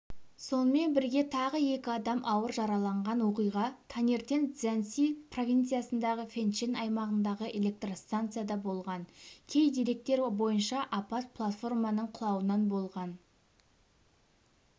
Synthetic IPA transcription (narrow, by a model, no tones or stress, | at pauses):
so̞nəme̞nbɪɾɡʲe̞t̪ʰɑʁəje̞kʲɪɑd̪ɑmʔɑwəɾʒɑɾɑlˠɑɴʁɑnwo̞qijʁɑt̪ʰɑne̞ɾt̪e̞nz̥ænsipro̞vʲijnt̪sɨjasənd̪ɑʁəfʲe̞nt͡ʃenɑjmɑʁənd̪ɑʁəʔe̞lʲe̞k̚t̪rost̪ant̪sɨjad̪ɑbo̞lˠʁɑnkʲʰe̞jd̪eɾe̞k̚t̪e̞ɾbo̞jənʃɑʔapat̪̚pʰlˠat̪fo̞rmɑnəɴqʰʊlˠɑwənɑnbo̞lˠʁɑn